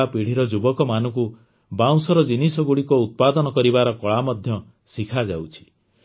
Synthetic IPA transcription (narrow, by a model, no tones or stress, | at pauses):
apiɽ̤iɾɔd͡ʒubɔkɔmanɔku | baw̃sɔɾɔd͡ʒinisɔɡuɽikɔut̪̚pad̪ɔnɔkɔɾibaɾɔkɔɭamɔd̪ʱjɔ | sikʰad͡ʒawt͡ʃʰi̥